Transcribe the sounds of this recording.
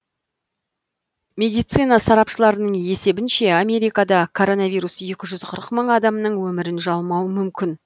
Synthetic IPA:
mʲe̞d̪ijt̪sɨjnɑsɑɾɑpʃəlˠɑɾənəɴe̞se̞bɪnʃe̞amʲe̞ɾijkɑd̪ɑkʰo̞ɾo̞nɑvʲijɾusje̞kʲɪʒʏzqʰəɾəqməɴɑd̪ɑmnəɴwɵmɪɾɪnʒɑlˠmɑwəmʏmkʲɪn

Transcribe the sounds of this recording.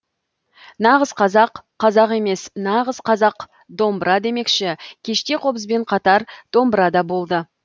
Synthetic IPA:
nɑʁəzqʰɑzɑqʰːɑzɑʁe̞me̞snɑʁəz̥qʰɑzɑq | d̪o̞mbəɾʔɑd̪e̞me̞kʃɪkʲʰe̞ʃt̪e̞qʰo̞bəszbe̞ɴqʰɑt̪ɑɾd̪̥o̞mbəɾɑd̪ɑbo̞lˠd̪ə

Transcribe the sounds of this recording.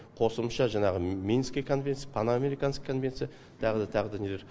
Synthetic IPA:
qʰo̞səmʃɑʒɑɴɑʁəmʲinskʲajkʰo̞nvʲent̪sjpʰanameɾijkɑnə̥qkʰːonvʲe̞nt̪sɨja | t̪ʰɑʁəd̪ɑt̪ʰɑʁəd̪anʲelʲeɾ

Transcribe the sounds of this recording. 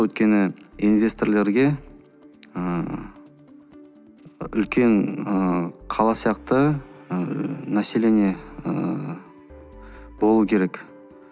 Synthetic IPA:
wɵt̪̚kʲe̞nɪinvʲe̞st̪orle̞ɾɡʲe̞ | ə | ʏlkʲe̞nəqʰɑlˠɑsijɑqt̪ə | næsele̞neə | bo̞lˠuəkʲʰe̞ɾe̞k

